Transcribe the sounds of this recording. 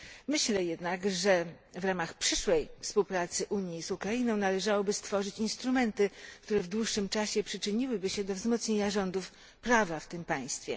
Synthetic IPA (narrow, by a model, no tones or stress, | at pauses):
mɘɕlɛjɛd̪nakʐɛ | vɾamaxpʂɘʂwɛjfspuwpɾat̪sɘʔuɲjizukɾainɔ̃w̃nalɛʐawɔbɘst̪fɔʐɘt͡ɕinst̪ɾumɛnt̪ɘkt̪uɾɛvd̪wuʂːɘmt͡ʂaɕɛpʂɘt͡ʂɘɲiwɘbɘɕɛd̪ɔvzmɔt̪sɲeɲaʐɔnd̪uf | pɾavaft̪ɘmpaj̃st̪fʲjɛ̰